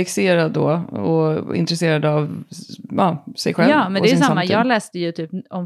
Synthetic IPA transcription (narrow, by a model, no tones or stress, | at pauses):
ɪkseːɾad̪o̰ɔɪ̰nt̪ɾɛseːɾad̪av | ɑːsɛjɧɛlɑːmɛndɔɛj̪saamːajɑːɡlɛːst̪əjɵt̪ʰyːpɔ